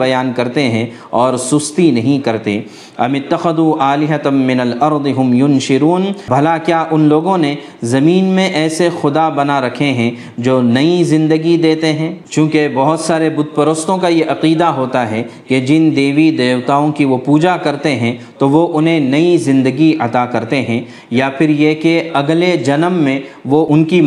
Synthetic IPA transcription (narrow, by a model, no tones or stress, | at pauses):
bɐjaːnkɐɾt̪eɦɛ̃ | ɔːɾsʊst̪inɐɦĩkɐɾt̪ḛː | ɐ̰mɪt̪ːɐxɐd̪uːʔaːlɪɦɐt̪mɪnɐlɐɾd̪ɪɦʊmjʊnʃɪɾuːnbʱɐlakjaːʔʊnloːɡõne | zɐmiːnmẽʔɛːsexʊd̪abɐnaɾɐkʰeɦɛ̃ | d͡ʒoːnɐizɪ̃nd̪əɡid̪eːt̪eɦɛ̃ːt͡ʃũːkebɐɦʊt̪saːɾebʊd̪̚pɐɾoːst̪õkajeʔɐqiːd̪aɦoːt̪aɦɛked͡ʒɪnd̪eːʋid̪eːʋt̪aːõkiʋopuːd͡ʒakɐɾt̪eɦɛ̃t̪oʋoʔʊnɦẽnɐizɪ̃nd̪əɡiʔɐt̪akɐɾt̪eɦɛ̃ | jafʰɪɾjekeɐɡled͡ʒɐnəmːẽʋoʊnki